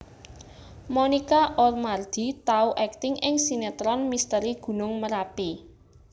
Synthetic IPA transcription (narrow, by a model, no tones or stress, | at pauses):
mɔnikaʔɔrmard̪̥i̤t̪auʔɛk̚t̪ɪŋɪŋsinet̪ɾɔnmist̪əɾiɡ̥ṳnʊŋməɾapi